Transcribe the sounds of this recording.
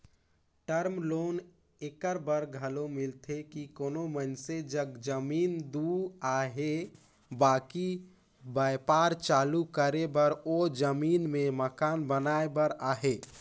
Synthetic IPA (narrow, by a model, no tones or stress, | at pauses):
ʈəɾmloːn | ekəɾbəɾɡʱəlomɪlt̪ʰekikoːnomənsed͡ʒəɡd͡ʒəmiːnd̪uaɦe | baːki | bajpaɾt͡ʃalukəɾebəɾod͡ʒəmiːnmẽməkaːnbənaebəɾaːɦe